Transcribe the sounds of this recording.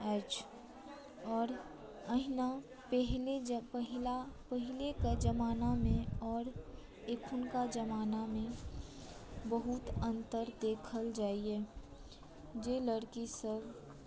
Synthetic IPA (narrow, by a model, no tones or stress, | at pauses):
ɛːt͡ʃʰ | ɔːɾ | əɦɪna | pɛɦlepəɦɪlapəɦɪlekad͡ʒəmaːnamẽɔːɾ | eːkʰʊnkad͡ʒəmaːnamẽ | bəɦʊt̪ə̃nt̪əɾd̪eːkʰəld͡ʒaːiɦɛː | d͡ʒeləɽkisəɡ